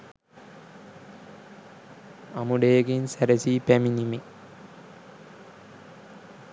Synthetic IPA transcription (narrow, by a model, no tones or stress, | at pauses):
ɐmuɽeːɡinsɐɾɐsipeminimi